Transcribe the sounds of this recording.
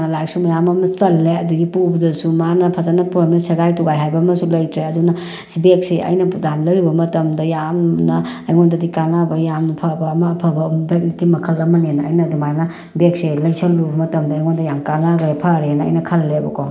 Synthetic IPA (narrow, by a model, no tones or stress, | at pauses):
nɐlaksumɐjamɐmɐsɐlːeɐduɡipubdɐsumanɐpʰazanɐpɾomensɐɡajtuɡajɦajbɐmɐsulɐjtɾeɐdunɐ | sibek̚seʔɐ̰jnɐdamlɐɾibɐmɐtɐmdɐjamnɐːjŋondɐdikanabɐjamnpʰabɐːmapʰɐbɐbek̚nit̚ɡimɐkʰɐlɐmɐnenɐ̰ːjnɐdumajnɐ | bek̚selɐjsʰɐlːubɐmɐtɐmdɐːjŋondɐjamkanaɡepʰaɾenɐɐ̰jnɐkʰɐlːebɐkʰɔ